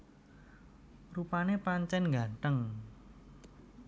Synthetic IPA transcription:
rupanepaɲt͡ʃɛnŋɡaɳʈ̪əŋ

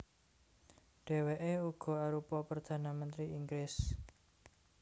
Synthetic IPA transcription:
ɖ̥e̤weʔeuɡ̥ɔ̤aɾupɔpərd̪̥ä̤namənt̪ɾiiŋɡlɪs

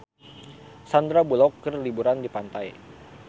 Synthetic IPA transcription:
sand̪ɾabulɔkːərlibuɾandipant̪aj

